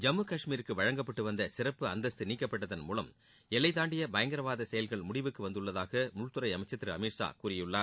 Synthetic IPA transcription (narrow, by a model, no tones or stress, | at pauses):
d͡ʒɐmɯkɐʂmiːɾɯkːɯʋɐɻɐŋɡɐpːɐʈːɯʋɐnd̪ɐsɪrɐpːɯɐnd̪ɐsɯniːkːɐpːɐʈːɐðɐnmuːlɐm | ɛlːɐɪt̪aːɳɖɪjɐbɐjɐŋɡɐɾɐʋaːðɐsɛjɐlɣɐɭmʊɽɪʋɯkːɯʋɐnd̪ɯɭːɐðaːɣɐmʊɭt̪ɯɾɐɪɐmɐɪt͡ʃːɐt̪ːɪɾɯɐmiːɾʂa̰ːkuːrɪjɯɭːaː